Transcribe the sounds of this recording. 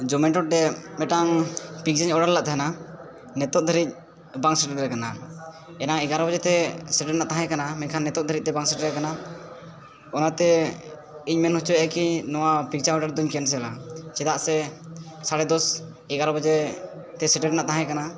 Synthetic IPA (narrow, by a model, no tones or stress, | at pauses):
d͡ʒɔmɛʈɔʈ̚ɖɛmɛʈaŋpik̚t͡ʃaɲɔɖaɾlaʔt̪ɦna | nɛt̪ɔt̪̚d̪ʱəɾic̪̚ | baŋsɛʈɛɾɾɛkana | ɛnaɛɡaɾɔbɔd͡ʒɛt̪ɛsɛʈɛɾnaʔt̪aɦãɛ̃kanamɛɲkʰanːɛt̪ɔt̪̚d̪ʱəɾic̚t̪ɛbaŋsɛʈɛɾɾɛkana | ɔnat̪ɛ | iɲmɛnhut͡ʃuajkinɔwapik̚t͡ʃaɔɖaɾd̪ɔɲkɛns̬ɛla̰t͡ʃɛd̪aʔsɛsaɽɛd̪ɔs | ɛɡaɾɔbəd͡ʒɛ | t̪ɛsɛʈɛɾnaʔt̪aɦãjkana